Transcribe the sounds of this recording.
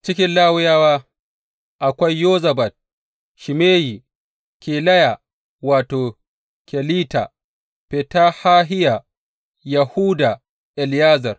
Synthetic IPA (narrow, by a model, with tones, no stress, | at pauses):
t͡ʃɪ˦kʲɪ˦nlaː˦wʊ˦jaː˦waː˦ | ʔa˨kʷɐ˦jːoː˦zɐ˨bɐ˨t̚ | ʃi˨meː˦ji˨ | kʲeː˨lɐ˦ja˨ | waː˨toː˨ | kʲɛ˨liː˦ta̰˨ | pe˨ta˦haː˦ɦɪ˦ja˨ | jɐ˨huː˦da˨ | ʔɛ˨ljaː˦zɐ˨r